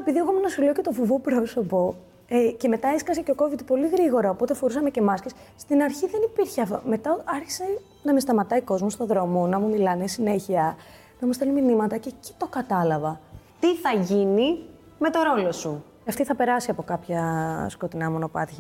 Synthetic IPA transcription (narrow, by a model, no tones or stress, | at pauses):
epiðieɣomenɐsilocet̪o̞fuvopɾo̞so̞po̞ | ece̞me̞t̪ɐeskɐseceo̞ko̞vit̪po̞liɣɾiɣo̞ɾɐopo̞t̪efo̞ɾusɐmece̞mɐscisst̪inɐɾçiðe̞nipiɾçeɐft̪o̰me̞t̪ɐɐɾçi̥se̞ | nɐmest̪ɐmɐt̪ɐiko̞zmost̪o̞ðɾo̞monɐmumilɐnesine̞çiɐ | nɐmust̪eliminimɐt̪ɐceci̥t̪o̞kɐt̪ɐlɐvɐ | t̪iθɐʝini | me̞t̪o̞ɾo̞lo̞su | ɐft̪iθɐpe̞ɾɐsiɐpo̞kɐpçɐsko̞t̪inɐmo̞no̞pɐ̰t̪çɐ